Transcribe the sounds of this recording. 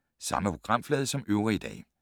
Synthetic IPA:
sɑ̈məpʰoɡ̥ʁɑ̈m̰flɛːð̞ˠəsɒ̽mʔøʊʁiid̥ɛ̰ː

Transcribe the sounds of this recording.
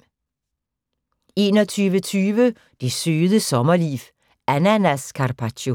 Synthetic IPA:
e̝ːnɒt͡sʰyːʋət͡sʰyːʋə | d̥esøːðˠəsɒmɐlḭːʋ | ænænæskʰɑrpʰat͡ʃo

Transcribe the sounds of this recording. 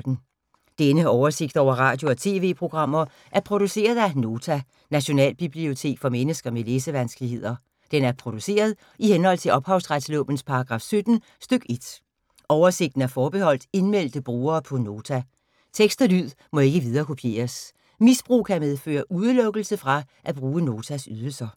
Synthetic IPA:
d̥n̩ | d̥enəɒʊɐse̝ɡ̥̚d̥ɒʊ̰ɐʁɑ̈ːd̥jo̝ɒt͡sʰe̝̰ːʋe̝̰ːpʰʁo̝ɡ̥ʁɑ̈m̰ɐ | ʔæɐpʰʁo̝d̥use̝̰ːɐð̞̩ˠæno̝ːt͡sʰæ | næɕo̝nɛ̰ːlb̥ib̥lio̝t͡sʰe̝̰ːɡ̥fɒ̽menəsɡ̥ɐmele̝ːsəʋænsɡ̥əlihe̝ð̞̰ˠɐ | d̥enæɐpʰʁo̝d̥use̝̰ːɐð̞ˠ | ihenhɒ̽l̰t͡sʰe̝ʔɒ̽b̥hɑ̈ʊsʁad̥slɔ̰ːb̥n̩spʰɑ̈ɑɡ̥ʁɑ̰̈ːfsød̥n̩ | sd̥øɡ̥e̝d̥ | ʔɒʊɐse̝ɡ̥̚d̥n̩æɐfɒːb̥e̝hɒ̽l̰d̥e̝nmel̰d̥əb̥ʁuːɐːpʰɒ̽no̝ːt͡sʰæ | t͡sʰeɡ̥sd̥ɐlyð̞̰ˠ | mɒ̽e̝ɡ̥əʋið̞ˠɐːkʰo̝pʰje̝̰ːɐs | misb̥ʁṵːkʰæmeð̞ˠfø̰ːɐʔuðˠlɔ̽ɡ̥l̩səfʁɑ̈ʔæb̥ʁuːəno̝ːt͡sʰæsyð̞ˠl̩sɐ

